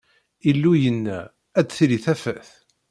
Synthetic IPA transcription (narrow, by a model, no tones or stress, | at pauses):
ilːujənːæ | æt͡sːθɾiθæfæθ